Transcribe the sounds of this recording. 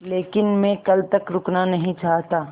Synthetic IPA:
leːkɪnmẽkɐlt̪ɐkɾʊknanɐɦĩt͡ʃaːɦt̪aː

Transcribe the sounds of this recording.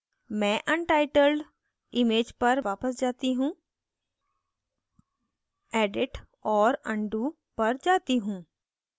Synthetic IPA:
mɛ̃ːʔə̃nʈaːɪʈəlɖ | ɪmeːd͡ʒpəɾʋaːpəsd͡ʒaːt̪iɦũː | ɛːɖɪʈ | ɔːɾə̃ɳɖuː | pəɾd͡ʒaːt̪iɦũː

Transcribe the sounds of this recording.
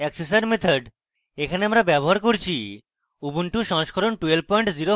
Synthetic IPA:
ɛksesaɾmet̪ʰaɾɖ | ekʰaneamɾabɛboɦaɾkoɾt͡ɕʰi | ubunʈuʃɔŋʃkʰɔɾonʈuel̚pɔjɳʈziɾo

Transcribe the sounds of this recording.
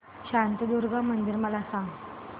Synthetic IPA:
ɕant̪əd̪uɾɡamənd̪iɾməlasaŋɡ

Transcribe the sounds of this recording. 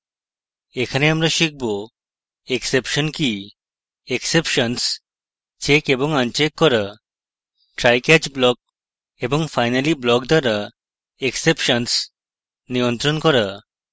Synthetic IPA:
ekʰaneamɾaʃik̚ʰbo | eksepʃɔnki | eksepʃɔns | t͡ʃekeboŋant͡ʃekːɔɾa | ʈɾajkɛd͡ʑblɔk̚ | eboŋfajnaliblɔkd̪aɾa | eksepʃəns | niont̪ɾonkɔɾa

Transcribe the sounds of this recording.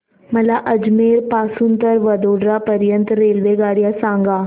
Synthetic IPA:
məlaʔəd͡ʒmeːɾpaːsunt̪əɾʋəd̪oːɖɾapəɾjənt̪ɾeːlʋeɡaːɽijasãːŋɡaː

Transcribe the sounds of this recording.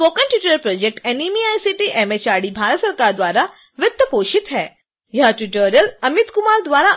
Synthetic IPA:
poːkənʈuʈoɾjəlpɾoːd͡ʒek̚ʈenimiaːjsiʈiʔemet͡ʃaːɽibʱaːɾət̪səɾkaːɾd̪ʋaːɾa | ʋət̪ːəpoːʃit̪ɦɛː | jɐɦaʈuʈoːɾjəlɐmit̪kʊmaːɾd̪ʋaːɾa

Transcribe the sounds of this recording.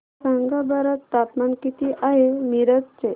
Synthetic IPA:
səŋɡabəɾət̪ːapmankit̪iʔaɦemiɾət̪̚t͡se

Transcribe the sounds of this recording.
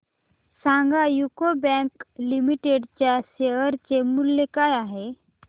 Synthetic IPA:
sãŋɡajukobɛ̃klimiʈeɖt͡ɕjaseʋəɾt͡ɕemulːekajaɦe

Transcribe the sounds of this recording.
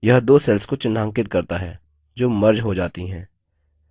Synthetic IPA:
jɐɦd̪oːsɛːlskot͡ʃɪnãːŋkɪt̪̚kɐɾt̪aɦɛː | d͡ʒoːmɐɾd͡ʒɦod͡ʒaːt̪iɦɛ̃ː

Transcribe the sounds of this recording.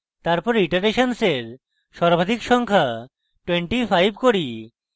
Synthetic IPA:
t̪aɾpɔɾiʈaɾeʃanseɾ | ʃɔɾbʱad̪ʱikʃɔŋkʰa | ʈweɳʈifʰajbʱkoɾi

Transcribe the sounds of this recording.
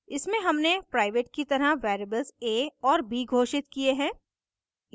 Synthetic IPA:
ɪsmẽɦɐmnepɾaːɪʋeːʈkit̪ɐɾəɦʋɛːɾebəlzeːɔːɾbiːɡʱoːʃɪt̪kieɦɛ̃ː

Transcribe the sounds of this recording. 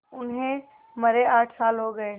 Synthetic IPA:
ʊnɦẽ | mɐɾeaːʈʰsaːlɦoɡəe

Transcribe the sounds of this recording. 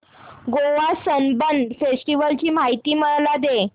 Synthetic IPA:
ɡoʋasənbənd̪fesʈiʋəlt͡ɕiːmaɦit̪iːməɭlad̪e

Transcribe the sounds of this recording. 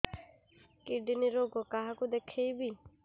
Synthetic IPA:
kiɖiniɾoɡɔkaɦakud̪ekʰejbi

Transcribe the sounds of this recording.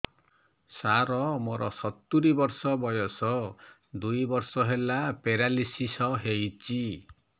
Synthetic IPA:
saɾɔmoɾɔ̰sɔt̪ːuɾibɔɾsɔbɔjɔsɔ | d̪ujbɔɾsɔɦelapeɾalisisɔɦejt͡ʃi

